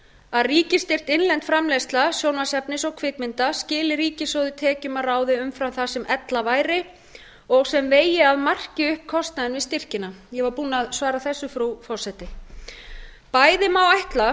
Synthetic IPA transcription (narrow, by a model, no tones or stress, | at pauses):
aðriːcɪst̪ɪr̥t̪ɪnlɛnt̪fɾamlɛst̪lasjoːwnvasɛpnɪsɔɣkʰvɪkmɪnt̪ascɪːlɪɾiːcɪsɔwðɪt̪ʰɛːcʏmaraːwðɪʏmfɾawθasɛmʔɛt̪lavaːjɾɪ | ɔɣsɛmveːjɪaðmar̥cɪʏhp̚kʰɔst̪naðɪnvɪst̪ɪr̥cɪnajɛvaɾpuːnaðsvaːɾaθɛsːʏfɾufɔr̥sɛt̪ɪ | paːjðɪmaːwajht̪la